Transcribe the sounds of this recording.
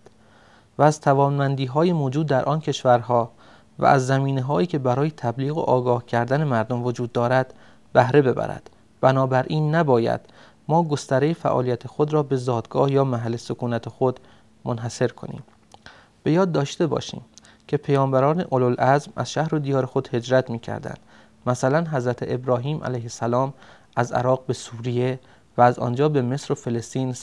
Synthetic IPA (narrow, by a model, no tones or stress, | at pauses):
vææz̥t̪ʰævɒːnmænd̪iːɦɒːjemoːd͡ʒuːd̪ːæɾʔɒːncʰe̞ʃvæɾɦɒː | væ̰ʔæ̰zːæmiːneɦɒːiːcʰe̞bæɾɒːje̞t̪ʰæbliːɣo̰ʔɒːɡɒːhcʰæɾd̪æne̞mæɾd̪o̞mvo̞d͡ʒuːd̪ːɒːɾæd̪̥ | bæhɾe̞be̞bæ̰ɾæ̰d̪̥ | b̥ænɒːbæɾʔiːnːæbɒːjæ̰d̪̥ | mɒːɡo̞st̪æɾejefæ̰ʔɒ̰ːlijæt̪ʰexod̪ɾɒːbe̞zɒːd̪ɡɒːhjɒːmæɦælːesokʰuːnæt̪ʰexod̪ | monɦæse̞ɾkʰo̞̰nḭːm | b̥e̞jɒːd̪ːɒːʃt̪e̞bɒ̰ːʃḭːm | cʰe̞pʰejɒːmbæɾɒːneʔololʔæzmæ̰z̥ʃæhɾod̪ijɒːɾexo̞d̪̥he̞d͡ʒɾæt̪ʰmiːcʰæ̰ɾd̪æ̰nd̪̥ | mæsælænɦæzɾæt̪ʰeʔebɾɒːɦiːmʔæ̰læjhesælɒːm | ʔæzæ̰ɾɒːɣ̚be̞suːɾije̞ | væːzɒ̰ːnd͡ʒɒːbe̞me̞sɾofe̞lest̪iːn